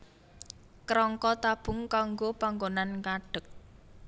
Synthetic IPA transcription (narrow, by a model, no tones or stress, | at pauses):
kɾɔŋkɔt̪ab̥ʊ̤ŋkaŋɡopaŋɡonankaɖ̥ə̤k̚